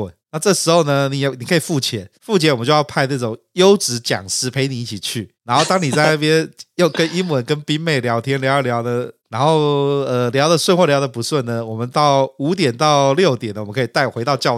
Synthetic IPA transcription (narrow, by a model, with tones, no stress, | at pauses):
na˥˧ʈ͡ʂɤ˥˩ʂɻ̩˧˥xo˧ʊnə˧ni˨˩jni˨˩kʰə˧˥i˨˩fu˥˩t͡ɕʰjɛ˨˩˦fu˥˩t͡ɕʰɛ˧˥wə˦t͡ɕo˥˧jɑ˥˧pʰa˥˧ɪna˥˩ʈ͡ʂʊ˨˩ŋjo˥ʊʈ͡ʂɻ̩˧˥t͡ɕjɑ̰˨˩ŋʂɻ̩˧˥pʰe˧˥ɪni˨˦i˥˩t͡ɕʰi˨˩t͡ɕʰy˥˩na˧˥nxo˥˩ʊt̪ɑ˥ŋni˨˩t͡sa˥˧ɪna˥˩pjɛ˥njo˥˩ʊkə˦ni˥ŋwə˧˦˥nkə˥npi˥ŋme˥˩ɪljɑ˧˥ʊt̪ʰjɛ˥nljɑ˧˥ʊ˥˩ljɑ˧˥ʊd̪ə˧na˧˥nxo˥˩ʊə˧ljɑ˧˥ʊd̪ə˨swə˥˧nxwɔ˥˩ljɑ˥ʊd̪ə˨pu˧˥swə˥˩nnə˩wɔ˨˩mə˦nt̪ɑ˥˩ʊu˧˥t̪̬jɛ˨˩nt̪ɑ˥˧ʊljo˥˩ʊt̪jɛ˨˩nd̪ə˧wɔ˨˩ə˦kʰi˨˩t̪a˥˩ɪxwe˧˥ɪt̪ɑ˥˧ʊt͡ɕjɑ˥˧ʊ